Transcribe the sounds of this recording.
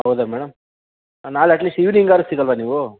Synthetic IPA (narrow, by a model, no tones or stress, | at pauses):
ɦɐwd̪amɛːɽɐm | naːlɐʈliːsʈiʋniŋɡaːɾɐst̪iːkɐlʋaniːʋu